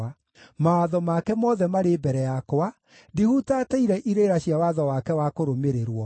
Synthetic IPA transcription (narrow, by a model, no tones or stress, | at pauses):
a | mawaðɔmakɛmɔðɛmaɾebɛɾɛjakoa | dihutaːtaiɾɛʔiɾeɾaɕiawaðɔwakɛwakoɾomeɾeɾwɔ